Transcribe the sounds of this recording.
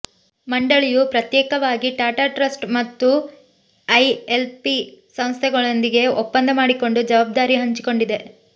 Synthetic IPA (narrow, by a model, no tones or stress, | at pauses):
mɐɳɖɐɭijupɾɐt̪jɛːkɐʋaːɡiʈaːʈaʈɾɐsʈmɐt̪ːu | ɐjelpisɐmst̪ʰɛɡɐɭond̪iɡe̞opːɐnd̪ʱɐmaːɽiko̞ɳɖud͡ʒɐʋaːb̚d̪aːɾiɦɐɲt͡ʃi̥ko̞ɳɖid̪e̞